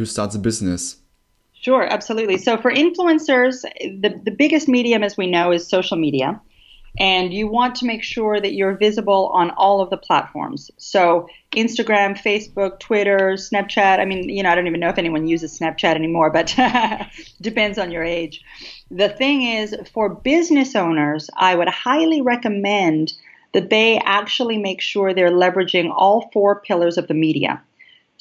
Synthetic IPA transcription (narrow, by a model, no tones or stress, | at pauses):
ʉstɑɹtsəbɪznɨs | ʃʊɹʔæ̰b̥səlʉtˡlisoʊfə˞ʔɪ̃ɱfluɨ̃nsə˞zðɨðɨbɪɡɨst̚miɾiɨ̃mɨzwinoʊɨz̥soʊʃl̩ˠmiɾiɨ̰ | ʔɨ̃njɨwɑ̃ntʰəmeɪkʃʊɹðɨt͡ʃə˞vɪzɨbl̩ˠə̰̃nɔlˠʌvðəpʰl̥æ̰tfɔ̰ɹmz̥soʊ | ʔɪ̃nstɨɡɹæ̃mfeɪsb̥ʊk̚tʰw̥ɪɾə˞snɛp̚t͡ʃʰæɾaɪmĩnjɨnoʊaɪɾõʊ̃ntivɨnːoʊɨfɛñiwʌ̃njʉzɨz̥snæp̚t͡ʃʰæɾɛnimɔɹbʌt | d̥ɨpɛ̃ndzn̩jə˞eɪ̥d͡ʒ̥ | ðɨθɪ̃ŋɪz̥fə˞bɪznɨsõʊ̃nə˞za̰ɪwɨd̚haɪlˠiɹɛkɨmɛ̃n | ðɨt̪̚ðeɪʔæk̚t͡ʃul̩ˠimeɪkʃʊɹðə˞lɛvɨd͡ʒɪ̃ŋɔlˠfɔɹpʰɪlˠə˞zʌvðɨmiɾiɨ̰